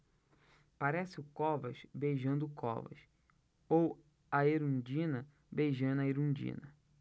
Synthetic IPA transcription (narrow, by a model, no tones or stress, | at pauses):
paɾɛsɪʊkɔvɐʃbejʒɐ̃nd̪ʊkɔ̰vɐ̰ʃ | ow | ɐeɾũd͡ʒĩnɐ | bejʒɐ̃d̪ɐeɾũd͡ʒḭ̃nɐ